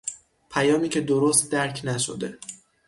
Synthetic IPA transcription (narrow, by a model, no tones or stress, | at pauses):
pʰæjɒːmiːcʲʰe̞d̪oɾost̪̚d̪æɾcʰnæʃo̰d̪e̞